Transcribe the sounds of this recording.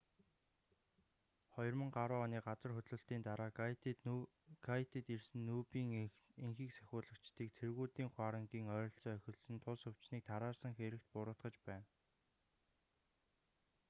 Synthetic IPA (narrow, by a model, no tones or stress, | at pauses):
χɔjɞ̆rmə̆ŋɢaɾʊːaniːɢat͡sə̆rxɵt̪ɮʊ̆ɬt̪iːnt̪aɾaː | ɡat̪et̪irsɘ̆nːuːpiːŋ | eŋxiːksæ̥xʲʊːɮə̆kt͡ɕt̪iːkt͡sʰerɣuːt̪iːŋχwaːɾə̆ŋɡiːŋœːɾɞ̆ɬt͡sɔːœxʲɪ̆ɮsɘ̆nt̪ʰʊsɵw̥t͡ɕniːk̚t̪ʰaɾaːsə̆ŋxeɾɘ̆k̚t̪̚pʊɾʊːt̪ɢə̆t͡ɕpæːn